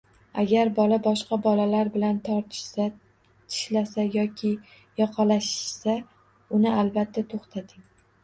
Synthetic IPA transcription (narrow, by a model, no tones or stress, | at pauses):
a̰ɡʲaɾbɒlabɒʃqɑbɒlalaɾbɪlant̪ʰɒɾt̪ʰɪ̥ʃsa | t̪ʰɪ̥ʃlasajɒkʲʰɪ | jɒqʰɑlaʃɪ̥ʃsa | ʊnɪalbat̪ʰːat̪ʰoχt̪ʰad̪ɪŋ